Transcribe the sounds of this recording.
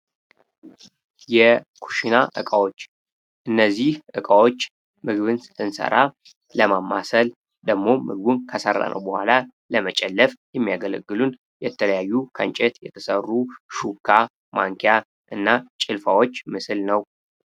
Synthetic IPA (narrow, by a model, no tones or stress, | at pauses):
jɛkʰu̥ʃinaʔɨkʼawo̞t͡ʃː | ʔɨnːəzːihʔɨkʼawo̞t͡ʃː | mɨɡβɨnsɨ̥t̪ʰːɨnsə̰ɾa | ləmamːasəl | d̪əɡmo̞mɨɡbunkʰəsə̰rːa̰nʔə̰wbəhʷa̰la | ləmət͡ʃʼɛlːəfjɛmːijaɡələ̰ɡːɨlun | jɛt̪ʰələjajːukʰənt͡ʃʼɛt̪jɛt̪ʰə̥sərːuʃukʰːa | maŋkʰija | ʔɨnːat͡ʃʼɪlfawo̞t͡ʃːmɨsɨlnəw